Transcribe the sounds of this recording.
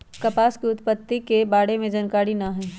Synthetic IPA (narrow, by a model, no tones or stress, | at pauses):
kɐpaːskiʊt̪pət̪ːikebaːɽemẽd͡ʒɐnkaːɾɽinɐɦɛː